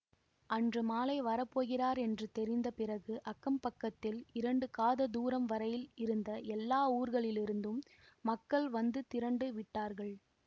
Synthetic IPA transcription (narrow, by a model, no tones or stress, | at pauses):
ʔɐndrɯmaːlɐɪʋɐɾɐpːoːɣɪraːɾɛndrɯt̪ɛɾɪnd̪ɐpɪrɐɣɯʔɐkːɐmpɐkːɐt̪ːɪlɪɾɐɳɖɯkaːðɐd̪uːɾɐmʋɐɾɐjɪlɪɾɯnd̪ɐʔɛlːaːuːɾɣɐɭɪlɪɾɯnd̪ɯmː | ɐkːɐɭʋɐnd̪ɯt̪ɪɾɐɳɖɯʋɪʈːaːɾɣɐɭ